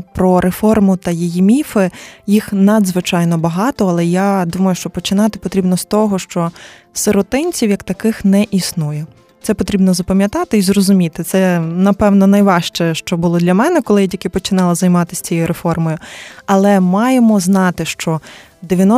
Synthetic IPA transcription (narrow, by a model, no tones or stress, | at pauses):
pɾɔɾʔefɔrmʊt̪ɐjijimʲifɪjixnɐd̪zʋɪt͡ʃɑjnɔbɐɦɑt̪ɔɐlˠɛjad̪umɐjʊʃt͡ʃɔpɔt͡ʃɪnɑt̪ɪpɔt̪ɾʲibnɔst̪ɔɦɔʃt͡ʃɔ | seɾɔt̪ɪnʲt͡sʲiwjɐkt̪ɐkɪxnɛʔisnujɛ | t̪sɛpɔt̪ɾʲibnɔzɐpɐmʲjɐt̪ɑt̪ɪizrɔzʊmʲit̪ɪt̪sɛnɐpɛwnɔnɐjʋɑʃt͡ʃɛʃt͡ʃɔbʊlˠɔd̪lʲɐmɛnɛkɔlˠɪjɐdʲɐkɪpɔt͡ʃɪnɑlˠɪzɐjmɑt̪ɪsʲt͡sʲijjʊɾefɔrmɔjʊɐlˠɛmɑjemɔznɑt̪ɪʃt͡ʃɔ | d̪eʋʲjɐnɔ